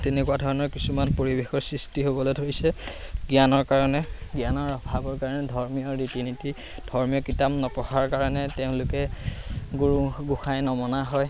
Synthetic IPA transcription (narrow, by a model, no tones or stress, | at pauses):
tenɛkuadʱɔɹɔnɔɹkisumanpoɹibexɔɹsɹistiɦobɔlodʱoɹisɛ | ɡjanɔɹkaɹɔnɛɡijanɔɹbʱabɔɹkaɹɔnɛdʱɔɹmijɔɹitiniti | d̥ʱɔɹmijɔkitamnɔpɔxaɹkaɹɔnɛteʊ̃lʊkɛ | ɡuɹuɡuxajnɔmɔnaɦɔj